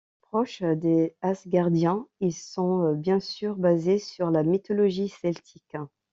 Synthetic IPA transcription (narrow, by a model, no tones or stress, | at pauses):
pχɔʃd̪easɡaʁd̪jɛ̃ilsɔ̃øbjɛ̃syʁbazesyʁlamit̪ɔlɔʒisɛlt̪ʰik